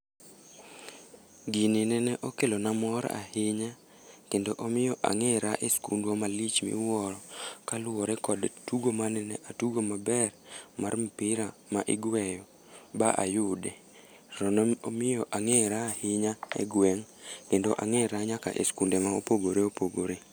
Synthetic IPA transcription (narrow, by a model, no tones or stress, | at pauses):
ɡinɪnɛnɛʔokelonamɔɾa̰hɪɲa | kendoʔomɪjɔʔa̰ŋɛɾaʔeskundwomalit͡ʃmḭwɔɾɔkalʊwɔɾɛkɔdtuɡomanɛnɛʔatuɡomabɛrmarm̩pɪɾamaʔɪɡwɛjɔ | baʔa̰jʊde | rɔnomɪjɔʔaŋeɾaːhɪɲaḛɡwɛŋ | kendoʔaŋɛɾaɲaka̰ʔḛskundemaopoɡoɾeopoɡoɾe